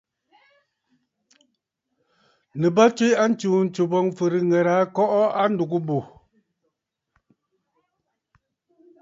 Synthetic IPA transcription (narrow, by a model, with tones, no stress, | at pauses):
nɨ˨ba˦t͡ʃwi˦a˦n̩˦t͡ʃuː˨n̩˨˦t͡ʃu˨bɔ˦ŋfɨ˨ɾi˨ŋɛ˨ɾa˨˦kɔ˦ʔɔ˦a˦n̩˦du˨ɡu˦bu˨